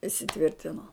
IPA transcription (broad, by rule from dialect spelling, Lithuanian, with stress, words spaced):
ɪsʲɪˈtʲʋʲɪrʲtʲɪnoː